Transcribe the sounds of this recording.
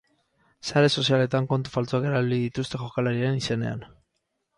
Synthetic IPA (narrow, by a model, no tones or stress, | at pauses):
saɾe̞so̞siale̞t̪aŋko̞nt̪ufalt͡soake̞ɾaliðit̪ust̪e̞ʝo̞kalaɾienise̞ne̞̰a̰n